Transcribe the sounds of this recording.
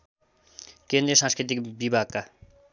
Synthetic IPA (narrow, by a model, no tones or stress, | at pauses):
kend̪ɾijʌsãnskɾit̪ikbibʱaɡ̚ka